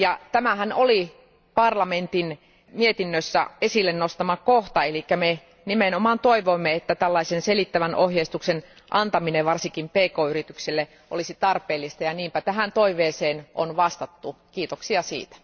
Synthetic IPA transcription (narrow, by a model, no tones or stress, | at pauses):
jɑt̪æmæhænoli | pɑrlɑment̪in | miet̪inːøsːæ̰esilːennost̪ɑmɑkoht̪ɑelikːæme | nimenomɑːnt̪oiʋoimːeet̪ːæt̪ælːɑisenselit̪ːæʋænʔohjeist̪uksen | ʔɑnt̪ɑmineʋʋɑrsiŋkimpeːkoːyrit̪ykselːe | ʔo̰lisit̪ɑrpeːlːist̪ɑjɑniːmpæt̪æɦænt̪oiʋeːseːnʔo̰nʋɑst̪ɑt̪ːukiːt̪oksiɑsḭːt̪æ̥